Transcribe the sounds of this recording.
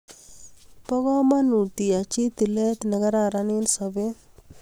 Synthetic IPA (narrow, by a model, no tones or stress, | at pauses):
pɔɡɔmanut̪ijat͡ʃit̪ilet̪nɐɡɐɾaɾaninsɔbe